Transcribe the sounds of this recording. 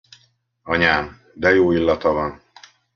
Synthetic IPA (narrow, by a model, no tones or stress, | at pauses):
ɒɲaːm | d̪ɛjoːilːɒt̪ɒvɒn